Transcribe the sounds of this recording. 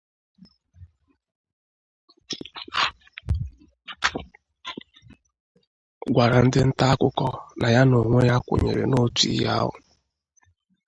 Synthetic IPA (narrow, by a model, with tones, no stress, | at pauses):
ɡʷa˨ɾa˨n̩˦dɪ˦n̩˦ta˦a˦kʊ˦kɔ˦na˨ja˦no˨ŋʷe˦ja˦kʷo̰˨ɲe˨ɾḛ˨no˦tḭ˨˦ja̰˦ɦʊ̰˨